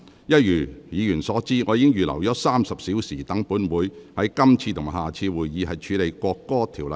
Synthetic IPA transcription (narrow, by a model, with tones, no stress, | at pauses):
jɐ˥t̚jyː˨˩jiː˨˧jyː˨˩nsɔː˨˥t͡siː˥ŋɔː˨˧jiː˧˥ɪ˥ŋjyː˨˩lɐ̰˨˩wjɔ˨˥saː˥msɐ˨p̚siː˨˥wsiː˨˩t̪ɐ˨˥ŋpuː˨˥nwuː˨˧jhɐ˨˥jkɐ˥mt͡sʰiː˧t̪ʰʊ˨˩ŋɦaː˨t͡sʰiː˧wuː˨jːiː˨˧ɦɐ˨jt͡ʃʰyː˨˧le˨jkʷɔː˧kːɔː˥t̪ʰiː˨˩wlɐ˨